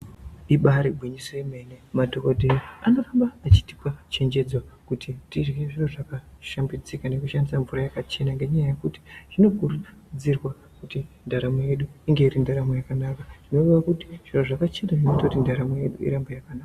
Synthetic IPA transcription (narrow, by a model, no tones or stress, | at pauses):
iɓaɾibʱwiɲisoeme̞nemadʱo̞kodʱeriano̞fambaːt͡ʃi̥ti̥pat͡ʃe̞ɲd͡ʒe̞d͡zwakutʰitiʐeʐinoʐakaʃambid͡zikane̞kuʃandisaɱvurajakat͡ʃe̞naŋɡe̞ɲajaje̞kuti̥ʐ̥ino̞kurud͡zirwa | kutindaɾamoje̞ɗuiŋɡe̞iɾindaɾamojakanakaʐ̥ino̞riwakuti̥ʐ̥inoʐakat͡ʃe̞naʐinutokutindaɾameje̞ɗuḭɾambajakanaːkka